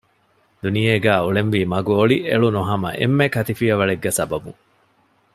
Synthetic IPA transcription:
d̪unijeːɡæːuɭenʋiːmɐɡuoɭiʔeɭunuɦɐmɐ̰ʔḛmːekɐt̪ifiɐʋɐɭeɡːæsɐbɐbṵŋ

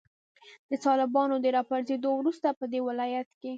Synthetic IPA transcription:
d̪̥ət̪ɑlɪbɑnod̪əɾɑpaɾzed̪owɾust̪apəd̪ewɪlɑjat̪ke

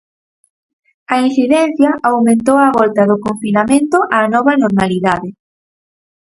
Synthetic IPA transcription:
ɐin̟θiðɛn̟θjɐʔawmẽnt̪owaβɔlt̪ɐðʊkoɱfinamẽnt̪ʊʔanɔβ̞ɐnoɾmaliðaðɪ

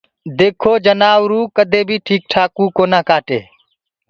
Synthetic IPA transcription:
d̪eːkʰoːd͡ʒənaːwɾuːkəd̪ʱeːbʱiːʈʰiːk̚ʈʰaːkuːkoːnaːkaːʈḛː

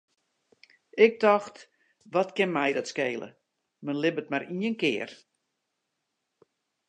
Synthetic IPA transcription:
ɪk̚dɔxt | ʋɔtkɪnmɛjdɔtskeːlə̰ | mənlɪbət̚maɾinənkɪːər

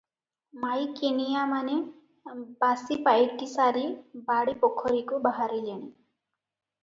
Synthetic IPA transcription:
majkenijamane | basipajʈisaɾibaɽipɔkʰɔɾikubaɦaɾileɽ̃i

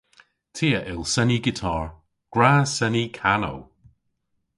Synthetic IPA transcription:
tʰiːəʔɪlˠsɛniɡɪtʰɔːɹ | ɡ̥ɹaːsɛnikʰano̰w

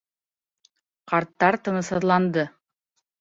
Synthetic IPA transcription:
qɑɾt̪ːɑɾt̪ɤ̆ɴɤ̆sɑðlˠɑnd̪ɤ

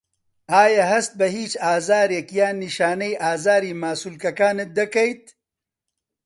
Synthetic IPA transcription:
aːjaːɦɐst̪̚bɐɦiːt͡ʃaːzaːɾjekjaːniʃaːnɐjʔaːzaːɾiːmaːsulkɐkaːned̪ɐkɐjt̪̚

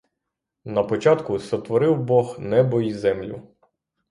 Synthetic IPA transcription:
nɐpɔt͡ʃɑt̪kʊsɐt̪ʋɔɾɪwbɔxnɛbɔizɛmlʲʊ̰

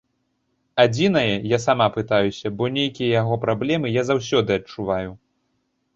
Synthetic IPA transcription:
ad͡zʲin̪ɐjɐjasamapɨt̪ajusʲɐbɔnʲejkʲijɐjaɣɔpɾablʲɛmɨjazawsʲɔd̪ɨɐt͡ʂuvaju

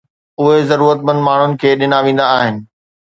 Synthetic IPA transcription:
ʊɦezɐɾuːɾət̪mə̃nd̪maːɳ̤ʊnɪ̆kʰeːɗɪnaʋẽːn̆d̪aːɦɪnɪ̆

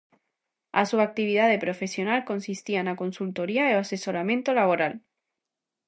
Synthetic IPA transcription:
a̰suak̚t̪iβ̞iðaðepɾo̞fe̞sjo̞nalko̞nsist̪ianako̞nsult̪o̞ɾiaease̞so̞ɾamjẽnt̪olaβoɾal

